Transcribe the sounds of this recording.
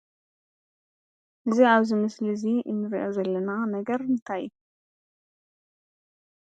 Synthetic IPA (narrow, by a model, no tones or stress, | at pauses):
ʔɨziaβzimɨsliziʔɨnːɨɾʔozɐlːɐnanɐɡɐɾmɨnt̪ʰaju